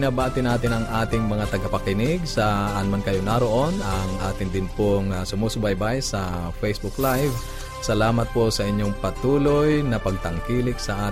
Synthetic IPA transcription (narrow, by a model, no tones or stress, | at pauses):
nabaːt̪ɪnaːt̪ɪnɐŋʔaːt̪ɪŋmɐŋat̪ɐɡɐpɐkɪnɪɡsɐɐnmankɐjonaɾoʔo̞nʔɐŋʔaːt̪ɪnd̪ɪnpoŋasʊmuːsʊbajbajsɐfɛjsbʊklajv | sɐlaːmɐt̪̚posɐʔɪɲːoŋpɐt̪uːlojnɐpɐɡ̚t̪ɐŋkiːlɪksɐʔaː